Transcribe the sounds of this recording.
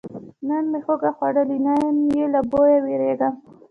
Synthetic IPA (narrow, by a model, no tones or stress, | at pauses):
nanmexoɡaxwaɽəlinajamjelabojaweɾeɡam